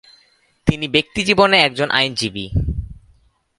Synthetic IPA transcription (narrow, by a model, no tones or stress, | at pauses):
t̪inibek̚t̪id͡ʑiboneɛk̚d͡ʑonʔa̰jnd͡ʑibḭ